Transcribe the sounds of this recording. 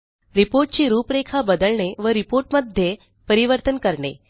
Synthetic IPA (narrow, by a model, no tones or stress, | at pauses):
ɾipoɾʈ̚t͡ɕiːɾuːpɾekʰabəd̪əɭɳeʋəɾipoɾʈməd̪ʱje | pəɾiʋəɾt̪ənkəɾɳḛ